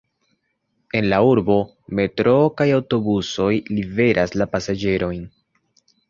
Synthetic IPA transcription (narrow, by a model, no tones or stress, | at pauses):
e̞nlauɾbo̞ | me̞tɾo̞kajawto̞buso̞jlive̞ɾʔaslapasad͡ʒe̞ɾʔo̞jn